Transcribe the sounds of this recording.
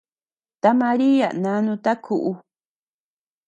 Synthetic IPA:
t̪a˦mã˧ɾi˦a̰˨nã˨˦nũ˧t̪a˦kʰu˨ʔu˦

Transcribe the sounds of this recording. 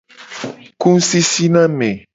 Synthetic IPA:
kũ˦n̩˦si˦si˦nã˦mɛ̃˨

